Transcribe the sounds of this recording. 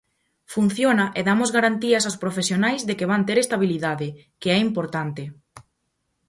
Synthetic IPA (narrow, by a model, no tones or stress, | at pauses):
fun̟θjonaʔeðamozɣaɾant̪iɐsawspɾofesjonajzðekeβant̪eɾest̪aβiliðaðɪ | keɛimpoɾt̪ant̪ɪ